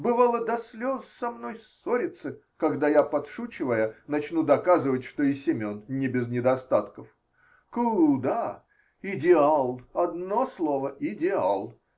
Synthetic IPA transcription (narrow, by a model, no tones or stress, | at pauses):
bɨvalˠəd̪ɐsʲlʲozsɐmnojsoɾʲɪt̪sɨ | kɐɡd̪ajapɐt̪ʂut͡ɕɪvəjənɐt͡ɕnud̪ɐkazɨvətʲʂt̪o̞ɪsʲɪmʲonnʲɪbʲɪznʲɪd̪ɐst̪at̪kəf | kʊd̪a | ɪdʲɪalˠɐd̪no̞slˠo̞vəɪdʲɪa̰lˠ